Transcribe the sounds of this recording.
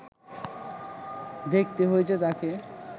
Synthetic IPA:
d̪ek̚t̪eɦojet͡ɕʰet̪ake

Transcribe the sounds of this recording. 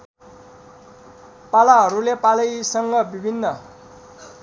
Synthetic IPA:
palaɦʌɾulepalʌjsʌŋɡʌbibʱinːʌ

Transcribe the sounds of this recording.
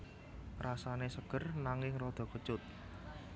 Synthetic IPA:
rasanesəɡ̥ərnaŋɪŋrɔd̪̥ɔ̤kət͡ʃʊt̪̚

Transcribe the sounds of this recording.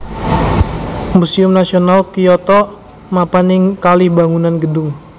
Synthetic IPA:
musiʊmnasionalkiɔt̪ɔ | mapanɪŋkalihbaŋunanɡədʊŋ

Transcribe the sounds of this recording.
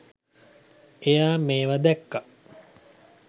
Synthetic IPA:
ejaːmeːʋad̪ɛkːa

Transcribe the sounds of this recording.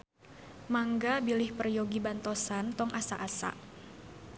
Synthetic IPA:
maŋɡabilɪhpərjoɡibant̪ɔsant̪ɔŋʔasa̰ʔasa̰ʔ

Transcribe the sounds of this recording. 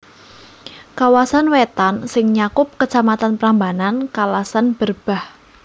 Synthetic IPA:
kawasanwet̪ansɪŋɲakʊp̚kət͡ʃamat̪anpɾambanankalasanb̥ərb̥a̤h

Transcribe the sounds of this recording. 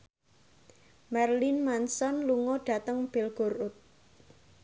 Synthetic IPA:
marlinmansɔnluŋɔɖ̥a̤t̪əŋb̥elɡ̥oɾʊt̪̚

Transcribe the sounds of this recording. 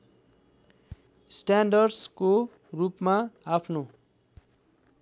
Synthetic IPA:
sʈanɖʌrɖsko | rupmaapʰno

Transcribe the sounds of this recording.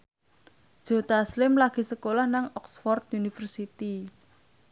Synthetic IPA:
d̥ʒ̥o̤t̪aslɪmlaɡ̥i̤səkolahnaŋɔksfɔrt̪̚unifərsit̪i

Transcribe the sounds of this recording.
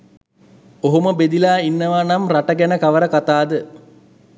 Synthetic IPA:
oɦoməbed̪ilaːinːəʋanamraʈəɡænəkaʋəɾəkat̪aːd̪ə

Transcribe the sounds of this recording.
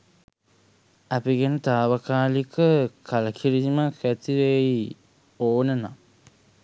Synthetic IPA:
apiɡenət̪aːʋəkaːlikəkʰaləkʰiɾiimakæt̪iɾej | oːnəna̰

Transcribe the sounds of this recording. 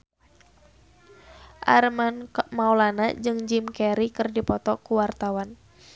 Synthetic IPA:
ʔa̰rmanmaulanad͡ʒɨŋd͡ʒimkɛɾikɨrdipɔt̪ɔkuwart̪awan

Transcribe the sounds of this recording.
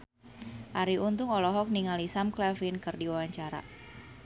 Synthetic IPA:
ʔaɾiunt̪ʊŋɔlɔɦɔk̚niŋalisamklɛfinkɨrdiwawaɲt͡ʃaɾa̰

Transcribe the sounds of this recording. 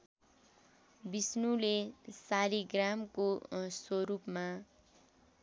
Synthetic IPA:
bisnulesaɾiɡramkoswoɾupma

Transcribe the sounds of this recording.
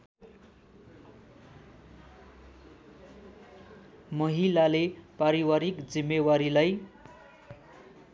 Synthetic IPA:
mʌɦilalepaɾiwaɾikd͡zimːewaɾilaj

